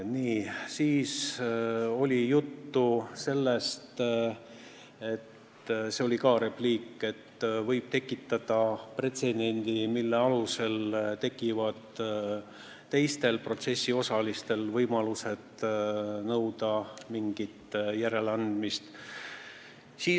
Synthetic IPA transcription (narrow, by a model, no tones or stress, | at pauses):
niːsiːs | o̞lʲijut̪ːuse̞lːest̪ | e̞t̪ | seo̞lʲikɑːɾepliːkːˑe̞t̪ːvɤjb̥̚t̪e̞kːˑit̪ːɑd̪̥ɑpre̞t̪se̞d̪̥e̞nʲd̪̥imilːeɑluse̞lt̪e̞kivɑd̪̥ | t̪e̞jst̪e̞lpro̞t̪se̞sʲːio̞sɑlist̪e̞lvɤjmɑluse̞d̪̥ | nɤwd̪ɑmiŋɡ̥it̪jæɾe̞lɑnd̪̥mist̪ | siː